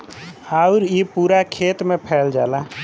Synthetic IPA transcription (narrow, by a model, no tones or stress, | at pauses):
aʊɾipuɾakʰet̪mepʰɛld͡ʒala